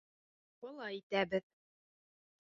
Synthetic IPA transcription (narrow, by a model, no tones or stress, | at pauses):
bɤ̆lˠɑjit̪æbɘð